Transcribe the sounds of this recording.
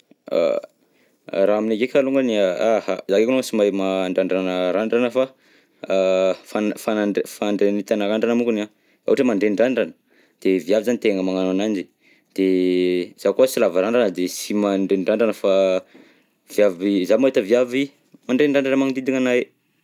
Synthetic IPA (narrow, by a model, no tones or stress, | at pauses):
a̰ | ɾaaminakekʲaluŋɡəniaahazakekunosimajmaɳɖ͡ʐaɳɖ͡ʐanəɾaɳɖ͡ʐanəfa | fafanafaɳɖ͡ʐenit̪anaɾaɳɖ͡ʐanəmukuna | a̰ʈ͡ʂəmaɳɖ͡ʐeɳɖ͡ʐaɳɖ͡ʐanə̥ | d̪̥eviavizanit̪eŋəmaŋananand͡ʒi̥ | d̪̥e | z̥akosilavaɾaɳɖ͡ʐanəd̪esimaɳɖ͡ʐeɳɖ͡ʐaɳɖ͡ʐanəfa | viavizamait̪əviavi | maɳɖ͡ʐeɳɖ͡ʐaɳɖ͡ʐanəmaŋd̪id̪iŋanaj